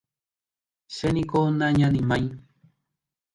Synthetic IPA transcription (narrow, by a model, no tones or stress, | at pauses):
senĩkonãɲãnĩmãĩ